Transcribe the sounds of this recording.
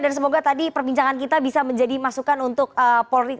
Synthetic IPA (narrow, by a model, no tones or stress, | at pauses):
dans̬əmoɡat̪adipərbiɲt͡ʃaŋankit̪abisaməɲd͡ʒadimasukanunt̪ʊk̚əpolɾi